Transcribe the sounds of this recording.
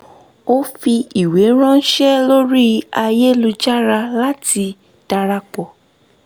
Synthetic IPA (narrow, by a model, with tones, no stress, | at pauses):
o˦fi˧i˨we˨˦ɾ̃ã˦ʃɛ˦lo˦ɾi˦a˧je˦lu˧d͡ʒa˦ɾa˧la˦ti˧ | d̥a˧ɾa˧k͡pɔ˨